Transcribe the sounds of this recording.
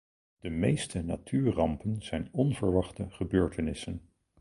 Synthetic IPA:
d̥əmejstəna̰tʰyːɹrɑmpənz̥ɛjnɔnv̥əɹʋɑχtəχəbøːɹtʰənɪsən

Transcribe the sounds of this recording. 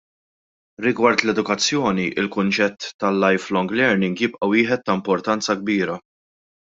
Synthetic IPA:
ɾɪɡwɐɾt̪lɛd̪ʊkɐt͡sːjɔːniʔɪlkʊnt͡ʃɛt̪ːɐlːɐjflɔŋɡlɛɾnɪŋɡjɪpʔɐwɪːħɛt̪ːɐɪmpɔɾt̪ɐnt͡sɐɡ̚biːɾɐ

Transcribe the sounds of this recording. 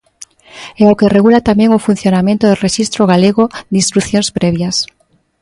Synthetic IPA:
ɛokereɣulat̪amẽŋʊfun̟θjonamẽnt̪oðɪreʃist̪ɾoɣaleɣod̪ĩnst̪ɾuθjõnspɾɛβjas

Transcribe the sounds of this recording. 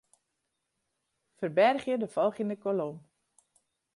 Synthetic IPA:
fərbɛrxjədəfɔlˠxinəkolom

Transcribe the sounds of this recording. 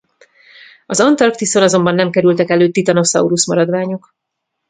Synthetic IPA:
ɒzɒnt̪ɒrkt̪isonɒzo̞mbɒnːɛmkɛɾylt̪ɛkɛløːt̪ːit̪ɒnosɒ̰uɾusmɒɾɒd̪ʋaːɲok

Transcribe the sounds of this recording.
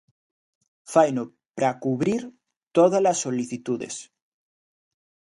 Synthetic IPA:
fajno | pɾakuβɾiɾ | t̪oðalasːoliθit̪uðḛs

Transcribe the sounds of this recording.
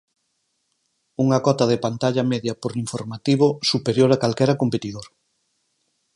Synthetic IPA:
uŋɐkɔt̪ɐðepant̪aʎɐmɛðjɐpoɾiɱfoɾmat̪iβ̞osupeɾjoɾakalkɛɾɐkompet̪iðoɾ

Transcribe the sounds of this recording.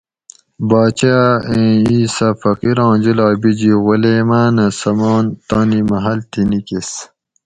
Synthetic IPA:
baːt͡ɕaẽːiːsɐfɐkiɾɑ̃ːd͡ʑilaːbid͡ʑiʁuleːmaːnɐsɐmɑːnt̪aːnimɐɦɐlt̪inikis

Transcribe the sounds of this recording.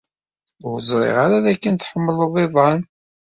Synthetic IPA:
ʊɾəzˤɾˤḛʁaɾaðækːənt̪ħəmːələðˤeðˤɑn

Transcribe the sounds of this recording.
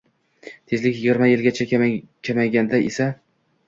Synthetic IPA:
t̪ʰezlɪkʲjɪɡʲiɾmajɪlʲɡʲat͡ʃʰakʲʰamaɡʲand̪aʔesa

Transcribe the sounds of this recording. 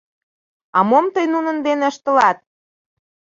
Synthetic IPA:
ɑmomt̪əjnunə̆nd̪enĕə̆ʃt̪ə̆lɑt̪̚

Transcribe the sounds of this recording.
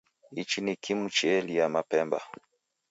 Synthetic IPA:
it͡ʃinikʰimut͡ʃɛliamapɛmba̰

